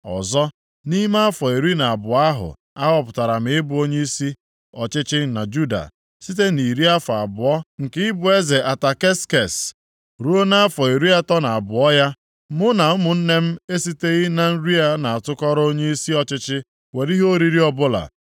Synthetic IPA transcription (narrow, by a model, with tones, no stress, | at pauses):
ɔ̰˨zɔ˦ | ni˦ma˦a˦fɔ˨e˨ɾi˦na˨a˨bʊ˨a˦ɦʊ̰˨ | a˦ɦɔ˦pʊ̥˨ta˨ɾa˨m̩˨ɪ˦bʊ˦o˦ɲe˦i˦si˦ | ɔ˨t͡ʃɪ˦t͡ʃɪ˦na˨d͡ʒu˦da̰˨ | si˦t̬e˦ni˨ɾi˦a˦fɔ˨a̰˨bʊ˨ɔ˦ŋ̩˨kɪ˦ɪ˦bʊ˨e˦ze˨ʔa˨ta˨ke˦ske˨s | ɾu˦o˦na˦fɔ˨e˨ɾu˦ja˦tɔ˦na˨a˨bʊ˨ɔ˦ja˦ | mʊ˦na˨ʊ˦mʊ˨n̩˦ne˦m̩˦e˦si˦te˦ɣɪ˦na˦n̩˦ɾi˦a˦na˨a˨tʊ˦kɔ˦ɾo˦ɲe˦i˦si˦ɔ˨t͡ʃɪ˦t͡ʃɪ˦ | we˨ɾi˦ɦo˦ɾi˦ɾi˦ɔ˦bʊ˦la̰˨